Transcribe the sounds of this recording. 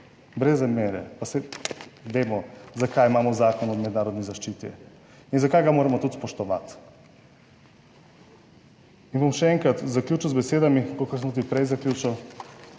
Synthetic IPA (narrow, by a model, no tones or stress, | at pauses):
bɾɛzameːɾɛ̰pasɛʋeːmɔzakajimaːmɔzakɔnɔmɛd̪naːɾɔd̪nizaʃt͡ʃit̪ɛ̰ | inzakajɡamoːɾɛmɔt̪ut̪spɔʃt̪ɔʋa̰t̪ | inbomʃɛɛŋkɾat̪zaklʲut͡ʃuwzbɛseːd̪amikokaɾsɛmt̪ud̪ipɾɛjzaklʲut͡ʃaw